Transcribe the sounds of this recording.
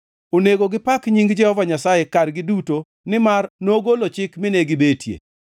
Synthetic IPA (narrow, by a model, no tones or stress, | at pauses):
oneɡoɡɪpakɲiŋɡd͡ʒɛhɔvaɲasajekarɡɪduto | nɪmarnoɡolot͡ʃɪkmɪneɡɪbetjḛ